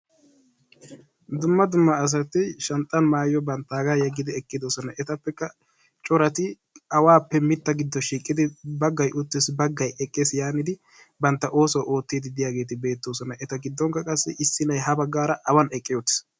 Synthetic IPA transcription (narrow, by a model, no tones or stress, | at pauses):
d̪ʊmːɐd̪ʊmːɐːs̬ɐt̪ɪʃɛnt̪ʼɐnmaːjɔbɐnt̪ːaːɡaːjɛɡːɪd̪ɪɛkʼːɪd̪ɔsɔnɐʔɛt̪ɐpːɛkːɐ | t͡ʃʼɔɾɐt̪ɪ | ɐwaːpːɛmɪt̪ːɐɡɪd̪ːɔʃiːkʼːɪd̪ɪbɐɡːɐjʔʊt̪ːɪsbɐɡːɐjɛkʼːeːsjaːnɪd̪ɪ | bɐnt̪ːɐʔo̞ːsɔwʔo̞ːt̪ːid̪ɪd̪ɪjaːɡe̞ːt̪ɪbe̞ːt̪ːoːsɔnɐʔɛt̪ɐɡɪd̪ːɔŋkːɐkʼɐsːɛʔɪsːɪnɐjɦɐbɐɡːaːɾɐʔɐwɐnɛkʼːɪjot̪ːɪ̥s